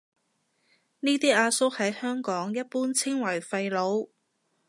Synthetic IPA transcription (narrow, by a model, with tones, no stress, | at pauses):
niː˥t̪iː˥ʔaː˧sʊ˥k̚hɐ˨˥jhœː˥ŋkɔː˨˥ŋjɐ˥t̚puː˥nt͡sʰɪ˥ŋwɐ˨˩jfɐ˧jlo˨˧˥w